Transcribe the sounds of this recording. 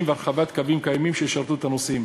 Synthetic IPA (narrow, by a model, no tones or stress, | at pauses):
mveaɾχavat̪kavimkajmimʃeʃaʁt̪uet̪anosim